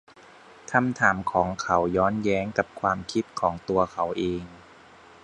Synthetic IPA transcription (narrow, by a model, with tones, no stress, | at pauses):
k̪ʰa˧mt̪ʰaː˩˦mkʰɔː˩˦ŋkʰa˩˦wjɔː˦˥njɛː˦˥ŋka˨˩p̚kʰwaː˧mkʰi˦˥t̪̚kʰɔː˩˦ŋt̪u˧ɐkʰa˩˦wʔeː˧ŋ